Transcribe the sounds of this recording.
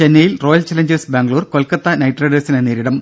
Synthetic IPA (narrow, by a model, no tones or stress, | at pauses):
t͡ɕenːɐjilro̞ːjɐlt͡ɕɐlɐɲd͡ʑɐsbaːŋɡɐɭuːrko̞lkːɐt̪ːɐnɐjʈreɖesineneːɾiɽɐm